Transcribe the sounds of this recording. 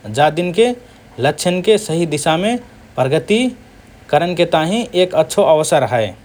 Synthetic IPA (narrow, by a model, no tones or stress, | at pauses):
d͡ʒad̪inke | lətːt͡ʃʰənkesəɦid̪isame | pɾəɡət̪i | kəɾənket̪aɦĩʔekətːʃʰoʔəʋəsəɾəɦəe